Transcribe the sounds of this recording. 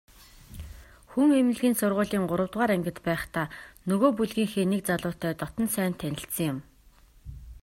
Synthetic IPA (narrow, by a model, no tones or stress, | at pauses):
xuŋemɘ̆ɮɣʲiːnsʊrʁʊːɮiːŋɢʊɾə̆wt̪ʁaːɾæŋɡʲɪ̆t̪pæːχt̪aːnɵɣoːpuɮɣiːŋxeːnek̚t͡saɮʊːt̪æːt̪ɔt̪ɞ̆nsæːnt̪ʰːænʲɪ̆ɬt̪sə̆ŋjʊm